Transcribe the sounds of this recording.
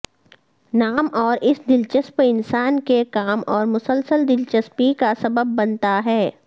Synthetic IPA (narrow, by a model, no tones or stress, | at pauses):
naːmɔːɾʔɪsd̪ɪlt͡ʃəspɪnsaːnkekaːmɔːɾmʊsəlsəld̪ɪlt͡ʃəspikasɐbəbːɐnt̪aɦɛː